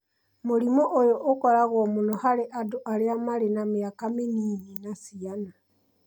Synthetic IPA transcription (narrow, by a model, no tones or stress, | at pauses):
moɾimoʔojoʔːkɔɾaɣɔmunohaɾeʔadoʔaɾeamaɾenameakameniːninasiana